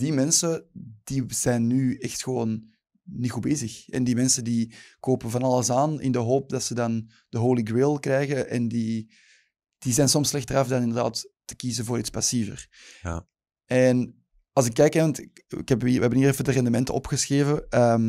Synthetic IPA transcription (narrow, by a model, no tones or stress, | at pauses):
dimɛnsəd̥iz̥ɛjnːyɛxtxəʋoːnː | ixubeːzəxɛ̰ndimɛnsəndikoːpəvɑnɑlˠəsaːnɪ̰ndəɦoːp̚dɑtsədɑn | d̥əɦoːliɡɹɪlˠkrɛjɣəʔɛndi | d̥izɛjnsɔmslɛxtərɑfdɑnɪndərda̰ːtː | ə̥kizəvoːɾitspɑsivə̰r | ɛn | ɑlˠzɪkːɛjkaɑntɪkɪ̰kɛpʋəɛbəniːɛfədərɛndəmɛntə̰ɔ̰pxəsxeːvəəm